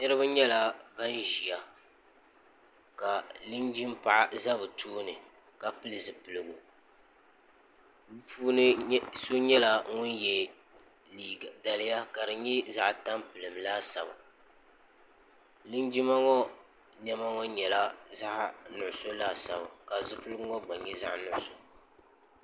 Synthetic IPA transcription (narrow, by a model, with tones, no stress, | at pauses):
nɨ˦ɾɨ˦ba˦ɲɛ˦la˨ba˦nʒi˨ja˨ | ka˨lɨ˦nd͡ʒi˦m˦pa˨ʔa˨za˦bɨ˨tʰuː˦nɨ˨ | ka˨pɨ˦lɨ˨zɨ˨pɨ˨lɨ˨ɡu˨ | bpʰuː˦nɨ˦so˦ɲɛ˦la˨ŋʊ˦njɛ˨ | li˨da˨lɪ˦ja˦ka˨dɨ˨ɲɛ˦za˦ʔta˦mpɨ˨lɨ˨mlaː˦sa˨ba̰˨ | lɨ˦nd͡ʒi˦ma˦ŋɔ˦ | ɲɛ˦ma˦ŋɔ˦ɲɛ˨la˦za˦ʔnʊ˨ʔʊ˨so˦laː˦˨sa˨ba˨ka˨zɨ˨pɨ˦lɨ˦ɡʊ˦ŋɔ˦ɡ͡ba˨ɲɛ˦za̰˦ʔnʊ˦˨ʔʊ˨so˦